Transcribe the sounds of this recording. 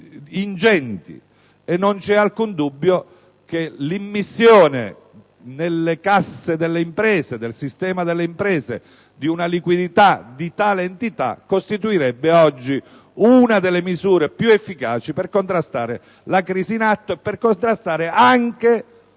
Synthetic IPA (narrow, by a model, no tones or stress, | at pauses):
ind͡ʒɛnt̪ḭ | enːont͡ʃɛalkund̪ubːjo | kelimːisːjoːnḛ | nelːekasːed̪elːeimpɾɛːzed̪elsist̪ɛːmad̪elːeimpɾɛːzḛ | d̪iunalikwid̪it̪ad̪it̪aːleːnt̪it̪a̰kːost̪it̪uiɾɛbːeɔd͡ʒːi | unad̪elːemizuːɾepjuefːikaːt͡ʃiperkont̪ɾast̪aːɾe | lakɾiːsiːnat̪ːoepːerkont̪ɾast̪aːɾeaŋke